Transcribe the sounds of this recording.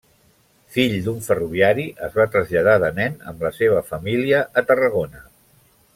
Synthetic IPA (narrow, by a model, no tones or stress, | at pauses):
fiʎd̪uɱfəruβ̞iaɾiʔəzβat̪ɾəzʎəð̞aðənɛnə̰mləseβ̞əfəmiliəʔːt̪ərəɣ̞onə